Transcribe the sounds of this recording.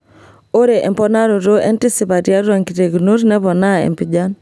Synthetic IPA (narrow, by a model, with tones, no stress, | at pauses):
o˦ɾe˨ʔḛ˨mpɔ˦na˦ɾo˨ɾo˦ḛ˦ntɪ˦si˨pa˨tja˦ɾwa˨ŋki˨te˨ɡno˦ɾnɛ˦pɔ˨na˦ḛ˨mpi˨d͡ʒa˦n